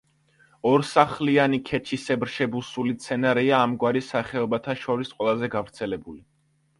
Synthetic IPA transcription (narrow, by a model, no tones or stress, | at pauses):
ɔɾsaχlianikʰɛt͡ʃʰisɛbɾʃɛbusulit̪sʰɛnaɾɛaːmɡwaɾisaχɛɔbat̪ʰaʃɔɾisqʼwɛlˠazɛɡavɾt̪sʰɛlɛbuli